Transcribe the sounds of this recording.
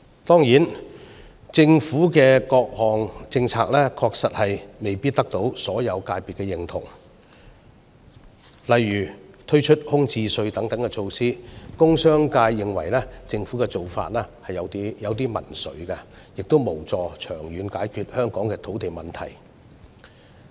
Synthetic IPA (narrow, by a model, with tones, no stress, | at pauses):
t̪ɔː˥ŋjiː˨˥n | t͡sɪ˧ŋfuː˨˥kɛː˧kɔː˧k̚hɔː˨ŋt͡sɪ˧ŋt͡sʰaː˧k̚lɛː˥kʰɔː˧k̚sɐ˨t̚hɐ˨jme˨jpiː˥t̚t̪ːɐ˥k̚t̪o˨˥wsɔː˨˥jɐ˨˧wkaː˧jpi˨t̚kɛː˧jɪ˨ŋt̪ʰʊ̰˨˩ŋ | lɐ˨jːyː˨˩t̪ʰɵ˥ɥt͡ʃʰɵ˥t̚hʊ˥ŋt͡siː˧sɵ˧ɥt̪ɐ˨˥ŋt̪ɐ˨˥ŋkɛ˧t͡ʃʰo˧wsiː˥kʊ˥ŋsœː˥ŋkaː˧jːɪ˨ŋwɐ̰˨˩jlɛː˥t͡sɪ˧ŋfuː˨˥kɛ˧t͡so˨wfa̰ː˧t̚lɛː˥hɐ˨jjɐ˨˧w̪i˥jɐ˨˧wt̪iː˥mɐ̰˨˩nsɵ̰˨˧˥ɥkɐ˧ | jɪ˨k̚t̪o˥wmo˨˩wt͡sɔː˨˧t͡ʃʰœː˨˩ŋjyː˨˧nkaː˨˥jkʰyː˧t̚hœː˥ŋkɔː˨˥ŋkɛː˧t̪ʰo˨˥wt̪e˨jmɐ˨˩nt̪ʰɐ˨˩j